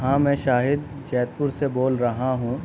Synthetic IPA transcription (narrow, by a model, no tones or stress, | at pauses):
ɦãːmɛ̃ːʃaːɦɪd̪ | t͡ʃɛːt̪̚pʊɾseboːlɾɐɦaɦũ